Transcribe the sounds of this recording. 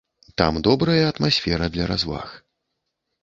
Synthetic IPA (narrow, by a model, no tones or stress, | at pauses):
t̪a̰md̪ɔbɾɐjɐɐt̪masʲfʲɛɾɐd̪lʲɐɾazva̰x